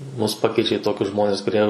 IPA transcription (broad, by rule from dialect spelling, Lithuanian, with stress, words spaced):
ˈmʊs ˈpɑːkʲɛɪt͡ʃʲɛ ɪ ˈtoːkʲʊs ˈʒmoːnʲɪs kʊˈrʲiɛ